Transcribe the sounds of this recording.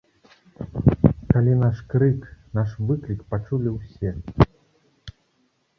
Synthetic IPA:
kalʲinaʂkɾɨknaʂvɨklʲikpat͡ʂulʲiwsʲɛ

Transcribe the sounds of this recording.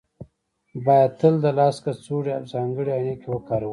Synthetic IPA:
bɑjad̪̚t̪əld̪alɑːskat͡suɽeabzɑːŋɡəɽeanekewəkɑːɾaw

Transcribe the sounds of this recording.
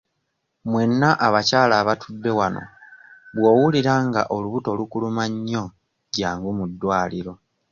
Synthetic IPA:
mwe̞nːaʔaβacaːlaːβatʰudːe̞wano̞̰βwo̞ːwuliɾaŋɡa̰ʔo̞luβuto̞lukulumaɲːo̞ | ɟaːŋɡumudːwaːliɾo̞

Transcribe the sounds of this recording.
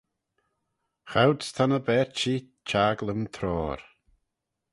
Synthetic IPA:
xawdst̪ʰanəbɛɹt͡ʃi | t͡ʃʰaːɡləmt̪ʰɾɔːɾ

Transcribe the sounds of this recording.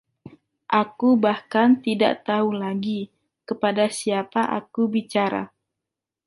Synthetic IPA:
ʔakubahkant̪ida̰ʔt̪aulaɡi | kəpadasiapaʔa̰kubit͡ʃaɾa̰

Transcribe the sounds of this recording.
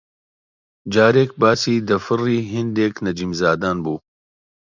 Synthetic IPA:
d͡ʒaːɾeːk̚baːsiːd̪ɐfɨriːɦɪnd̪eːknɐd͡ʒiːmzaːd̪aːnbuː

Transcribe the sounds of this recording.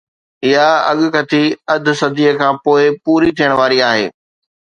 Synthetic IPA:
ɪɦaɐ̰ɠʊ̆kɐt̪ʰiɐd̪ʱʊ̆sɐd̪ʱiːəkʰãːpoːɪpuːɾit̪ʰijəɽ̃ʋaːɾiaːɦḛː

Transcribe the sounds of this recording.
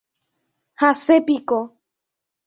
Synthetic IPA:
hasepiko

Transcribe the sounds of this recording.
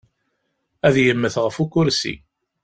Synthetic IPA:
æðjəmːəθʁəfukʊɾsḭ

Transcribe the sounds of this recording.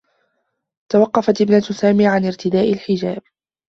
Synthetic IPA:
t̪awɑqːɑfat̪ʔɪbnat̪ʊsaːmiːʕanɪɾt̪ɪd̪aːʔalħɪd͡ʒaːb̚

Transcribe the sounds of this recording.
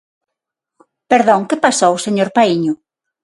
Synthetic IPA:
peɾðɔ̃ŋkepasɔwʊseɲoɾpaiɲʊ

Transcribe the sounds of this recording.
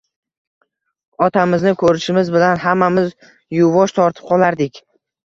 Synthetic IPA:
ɒt̪ʰamɪznɪkʰɵɾɪʃɪmɪzbɪlanɦamːamɪz | jʊvɒʃt̪ʰɒɾt̪ʰɪ̥p̚qʰɒlˠaɾd̪ɪkʲ

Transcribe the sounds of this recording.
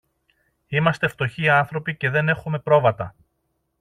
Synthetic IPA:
imɐst̪e̞ft̪o̞çiɐnθɾo̞pice̞ðe̞ne̞xume̞pɾo̞vɐt̪ɐ

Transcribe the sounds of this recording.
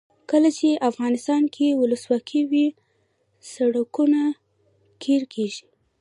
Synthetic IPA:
kəlat͡ʃeʔafɣɑnɪst̪ɑnkʰewʊləswɑkʰiwi | saɽakuna | kʰeɾkʰeʒi

